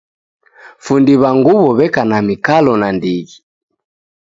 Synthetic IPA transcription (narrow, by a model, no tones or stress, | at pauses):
fundiβaŋɡuβɔβɛkanamikalɔnandiɣi